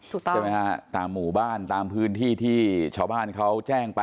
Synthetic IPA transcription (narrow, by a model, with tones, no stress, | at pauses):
ma˦˥jka˦t̪aː˧mːuː˨˩baː˥˩nt̪aː˧mpʰɯː˦˥nt̪ʰiː˥˩t̪ʰiː˥˩t͡ɕʰaː˥˩wbaː˥˩nkʰa˦˥wt͡ɕɛː˥˩ŋpa˧